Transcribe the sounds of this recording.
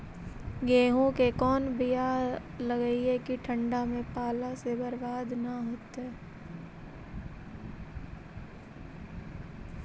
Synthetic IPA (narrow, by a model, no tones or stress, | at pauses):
ɡeːɦõkekɔːnbija | ləɡəiɛkiʈʰə̃ɳɖamẽpaːlasebəɾbaːd̪naɦoːt̪ɦɛː